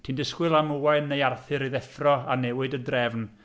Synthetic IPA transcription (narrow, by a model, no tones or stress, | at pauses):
tʰiːndəskwɪlˠamuwaɨnːejarθɨɾiðɛθrɔanɛwɨdədrɛvn